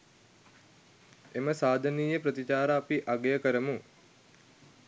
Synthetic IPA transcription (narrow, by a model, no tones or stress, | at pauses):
eməsaːd̪ʱəniːjəpɾət̪it͡ʃaːɾaːpiʔaɡejəkəɾəmu